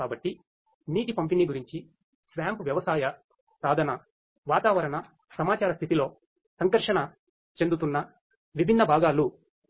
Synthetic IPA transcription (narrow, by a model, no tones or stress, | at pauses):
aːbɐʈːi | niːʈipɐmpiniɡuɾiɲt͡ʃi | sʋaːmpuʋjɐʋɐsaːjɐ | pɾaːd̪ʱɐnɐ | ʋaːt̪aːʋɐɾɐɳɐ | sɐmaːt͡ʃaːɾɐst̪ʰit̪ilo̞ː | sɐŋkɐɾʂɐɳɐ | t͡ʃe̞nd̪ut̪unːɐ | ʋibʱinːɐbʱaːɡaːlu